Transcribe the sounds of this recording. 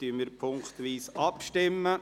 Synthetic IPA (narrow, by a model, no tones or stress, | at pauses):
t̪yəmɪɾpʰʊŋkt̪ʋiːsɑpʃtɪmːə